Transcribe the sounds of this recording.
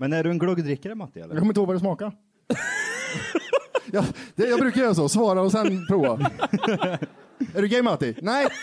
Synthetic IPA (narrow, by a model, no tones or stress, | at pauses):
mɛnæɖɵɛnɡɽɔɡd̪ɾɪkːaɾəmat̪ːɪɛ̰lːəjɑkʰɔmːəɪt̪hoɡvaɾdɛsmɑːka | jɑd̪̥ɛjɑːɡbɾʉkaɾjœːɾas̬ɔsvɑːɾaɔsɛnpʰɾuːva | æɖɵɡɛɪmat̪ːɪnɛj